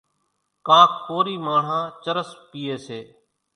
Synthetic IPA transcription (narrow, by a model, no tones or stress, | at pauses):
kãːkʰkoːɾiːmaːɳ̤ãːt͡ʃəɾəspiːeːseː